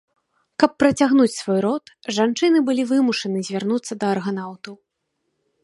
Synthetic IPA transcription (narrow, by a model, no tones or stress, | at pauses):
kɐpːɾɐt͡sʲaɣn̪ut͡sʲsvɔjɾɔt̪ | ʐant͡ʂɨnɨbɨlʲivɨmuʂɐnɨzʲvʲarnut̪sːɐd̪ɐːrɣanawt̪ɐw